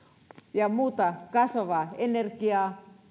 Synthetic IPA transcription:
jɑmuːt̪ɑkɑsʋɑʋɑːenerkiɑː

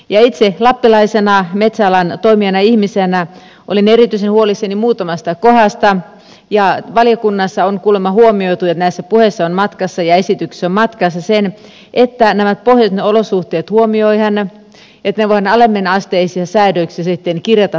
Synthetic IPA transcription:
jɑit̪selɑpːilɑisenɑmet̪sæɑlɑnt̪oimiɑnɑihmisenæ | ʔo̰linerit̪yisenhuolisːenimuːt̪ɑmɑst̪ɑkohɑst̪ɑ | jɑʋɑljɑkunːɑsːɑoŋkuːlemɑhuomioit̪ujɑt̪næisːæpuhesːɑonmɑt̪kɑsːɑjɑesit̪yksi̥sommɑt̪kɑsːɑsen | ʔet̪ːænæmæt̪̚pohjɑt̪neolosuht̪eːt̪huomioihɑn | et̪neʋoihɑnɑlemːenːæɑst̪eisiɑsæidøiksɑsit̪ːenkirjɑt̪ɑ

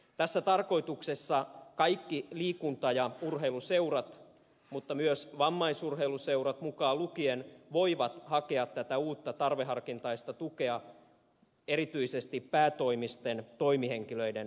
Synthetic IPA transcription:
t̪æsːæt̪ɑrko̞it̪uksesːɑkɑjkːiliːkunt̪ɑjɑurɦeiluseurɑt̪ | mut̪ːɑmyøsʋɑmːɑisurheiluseurɑt̪mukɑːlukienʋo̞iʋɑt̪hɑkeɑt̪tæt̪æuːt̪ːɑt̪ɑrʋeɦɑrkint̪ɑist̪ɑt̪ukeɑ | eɾit̪yisest̪ippæːt̪o̞imist̪ent̪o̞imihe̞ŋkiløiden

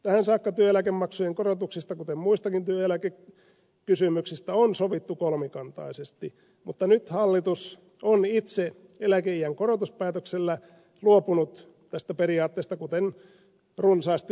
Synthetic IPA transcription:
t̪æhænsɑːkːɑt̪yøelækemmɑksujeŋkorot̪uksist̪ɑkut̪emmuist̪ɑkint̪yøelæke | kysymyksist̪æonsoʋit̪ːukolmikɑnt̪ɑ̰isest̪i | mut̪ːɑnyt̪hɑlːit̪us | onit̪se | elækeiæŋkorot̪uspæːt̪økselːæ | luopunut̪ | t̪æst̪æperiɑːt̪ːeːst̪ɑkut̪en | runsɑist̪

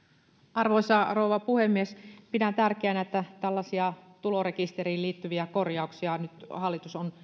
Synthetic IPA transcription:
ɑrʋoisɑrouʋɑpuhemːiespidænt̪ærkeænæet̪ːæt̪ælːɑsiɑt̪ulorekist̪eɾiːliːt̪ːyʋiækorjɑuksiɑnyt̪hɑlːit̪uson

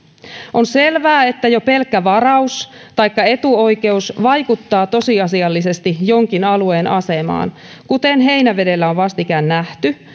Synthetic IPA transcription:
o̞nse̞lʋæːe̞t̪ːæjo̞pe̞lkːæʋɑrɑus | t̪ɑjkːɑe̞t̪uo̞jke̞usʋɑjkut̪ːɑːt̪o̞siɑsiɑlːise̞st̪ijo̞ŋk̟inɑlue̞ːnʔɑse̞mɑ̰ːn | kut̪e̞nɦe̞jnæʋe̞de̞lːæo̞nʋɑst̪ikæːnnæht̪y

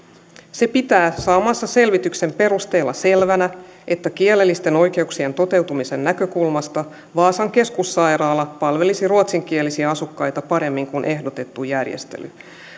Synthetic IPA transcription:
se̞pit̪æːsɑːmɑsːɑse̞lʋit̪ykse̞mpe̞ɾust̪e̞ːlːɑse̞lʋænæʔe̞t̪ːækielːelːist̪e̞no̞jke̞uksie̞nt̪o̞t̪e̞wt̪umise̞nnækø̞kulmɑst̪ɑ | ʋɑːsɑŋke̞skusːɑjɾɑːlːɑpɑlʋe̞lisiruot̪siŋk̟ielːisiɑɑsukːɑjt̪ɑpɑɾe̞mːiŋkunʔe̞hdo̞t̪e̞t̪ːujærjḛst̪e̞̰ly̰

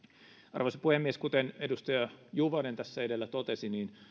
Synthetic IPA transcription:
ɑ̰rʋosɑpuhemːieskut̪enedust̪ɑjɑjuʋɑnent̪æsːæedelːæt̪ot̪esiniːn

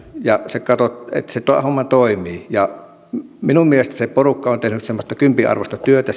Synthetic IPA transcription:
jɑsekɑt̪oḛt̪ːset̪oɑ̰homːɑt̪oˑimˑiːjɑ | minummielest̪æ̥seporukːɑont̪ehnyt̪semːost̪ɑkympiʔɑ̰rʋost̪ɑt̪yøt̪æ

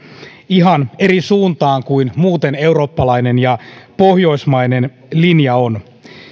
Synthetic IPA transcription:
iɦɑne̞ɾisuːnt̪ɑːŋkuinmuːt̪e̞ne̞wro̞ːpːɑlɑjne̞njɑpo̞hjo̞jsmɑjne̞n | linjɑo̞n

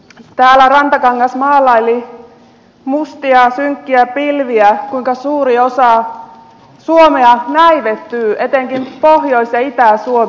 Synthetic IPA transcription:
t̪æːlærɑnt̪ɑkɑŋːɑsmɑːlːɑeli | must̪iɑsyŋkːiæpilʋiækuiŋkɑsuːɾiosɑ | suomeɑnæiʋet̪ːyːe̞t̪eŋkimpohjoisjɑit̪æːˑsuo

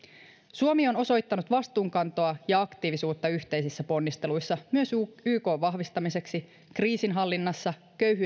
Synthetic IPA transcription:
suomio̞no̞so̞jt̪ːɑnut̪ʋɑst̪uːŋkɑnt̪o̞ɑjɑɑkt̪iːʋisuːt̪ːɑyçt̪e̞jsisːæpo̞nːist̪e̞lujsːɑmyøsyːko̞ːʋʋɑɦʋist̪ɑmise̞ksi | kriːsinɦɑlːinːɑsːɑ | køɥɦy

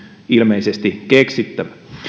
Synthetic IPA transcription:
ilmeisest̪ikeksit̪ːæʋæ

